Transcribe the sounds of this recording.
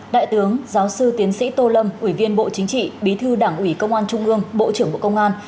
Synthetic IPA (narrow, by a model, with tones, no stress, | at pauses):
ɗa̰ː˧˨jt̪ɨ˨˦əŋzaː˨˦wsɨ˧t̪i˨˦ənsḭ˧˥t̪o˧lə˧mʔwi˧˩vi˧ənɓo̰˧˨t͡ɕï˨˦ŋ̟t͡ɕḭ˧˨ɓi˨˦t̪ʰɨ˧ɗaː˧˩ŋʔwi˧˩kə˧wŋ͡mʔaː˧nt͡ɕʊ˧ŋ͡mʔɨ˧əŋɓo̰˧˨t͡ɕɨ˧˩əŋɓṵ˧˨˩kə˧wŋ͡mʔaː˧n